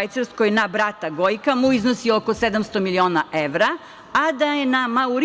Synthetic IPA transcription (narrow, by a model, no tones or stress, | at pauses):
ajt̪seɾskojenabɾat̪aɡojkamuiznosiokosed̪amst̪o̞milio̞ːnaʔeʋɾa | ad̪ajenamauɾ